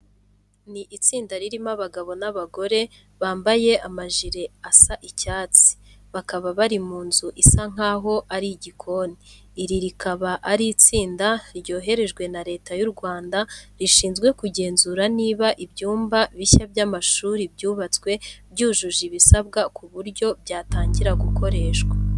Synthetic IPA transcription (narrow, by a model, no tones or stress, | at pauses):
niʔit͡siːndaɾiɾimaβaɡaβo̞naβaɡo̞ɾe̞ | βaːmbaje̞amaʒiɾe̞asaʔicaːt͡si̥βakaβaβaɾimuːnzuʔisaŋ̥aːɦo̞ʔaɾiɟikʰo̞niː | ɾiɾikaβaʔaɾit͡siːndaɾɟo̞ːɦe̞ɾe̞ʒɡwe̞naɾe̞ːtajuɾɡwaːndaɾiʃiːnzɡwe̞kuɟe̞ːnzuːɾaniːβaʔibjuːmbaβiçabjaːmaʃuːɾibɟuːβat͡skwe̞bɟuːʒuʒiβisabɡakʰuβuɾɟo̞bɟaːtaːɲɟiɾaɡuko̞ɾe̞ːʃɡwa